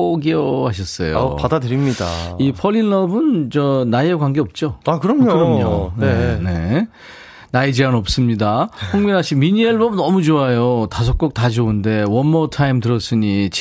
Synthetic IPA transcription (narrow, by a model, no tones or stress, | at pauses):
ɡiʌaɕ̬ʰʌs͈ʌ̰jo̰padadɯɾimɲida̰ipʰʌʎːinːʌbɯnt͡ɕʌnajeɡwaŋɡeʌp̚t͡ɕ͈oakɯɾʌmɲokɯɾʌmɲonene̞ | naed͡ʑeanʌp̚s͈ɯmɲidapʰoŋminɦaɕ͈ʰimiɲieɭbʌbnʌmud͡ʑoajotasʰʌk͈ok̚tad͡ʑonde̞wʌnmʌtʰaimtɯɾʌs͈ɯɲit͡ɕʰ